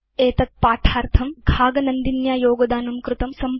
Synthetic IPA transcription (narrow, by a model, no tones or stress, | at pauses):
eːt̪ɐt̪̚paːʈʰaːɾt̪ʰɐmɡʱaːɡɐnɐnd̪injaːjoːɡɐd̪aːnɐmkɾut̪ɐmsɐm